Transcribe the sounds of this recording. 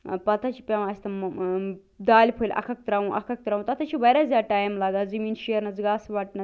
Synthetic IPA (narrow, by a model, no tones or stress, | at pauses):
pɐt̪ʰɐt͡ʃʰi̥pʲaʋɐsʲt̪ɐ | d̪aːlʲpʰojlʲʔɐ̰kʰɐk̚t̪ɾaũʔɐ̰kʰɐk̚t̪ɾaũt̪ɐt̪ʰɐt͡ʃʰiʋɐɾazʲaːʈaːjmlaːɡaːzɐmiːnʃiəɾnɐzɡaːsʋɐʈnɐ